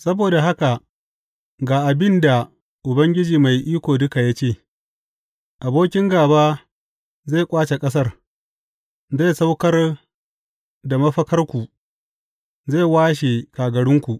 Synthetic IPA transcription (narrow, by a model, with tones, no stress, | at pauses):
sɐ˦boː˨da˨ɦa˦ka˨ | ɡaː˨ʔa˨bɪ˦nda˨ | ʔʊ˨bɐ˦ŋɡʲɪ˦d͡ʒiː˨ma˨jʔiː˦kʷoː˨dʊ˦ka˨ja˦t͡ʃeː˦˨ | ʔa˨boː˦kʲɪ˦ŋɡaː˨baː˦ | za˦˨kʷʼaː˦t͡ʃe˨kʼɐ˦sɐ˦r | za˦˨sa˦wkɐ˦r | da˨mɐ˦ɸɐ˦kɐ˦rkʷu˨ | za˦˨waː˦ʃ̬e˨kaː˨ɡɐ˨ɽɪ˦ŋkʷu˨ʔ